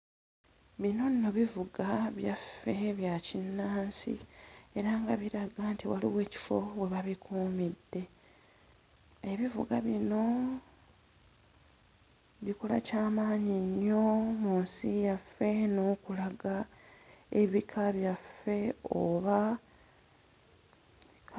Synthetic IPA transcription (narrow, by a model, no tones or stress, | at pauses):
βino̞nno̞βivuɡaβjafːe̞βjacinːaːnsḭe̞ɾaŋɡaβiɾaɡantiwa̰lḭwe̞ːci̥fo̞we̞βaβikuːmidːe̞ | eβivṵɡaβino̞ | βikola̰caːmaːɲiɲːo̞muːnsijafːe̞no̞ːkulaɡa | e̞βikʰaβjafːe̞oβa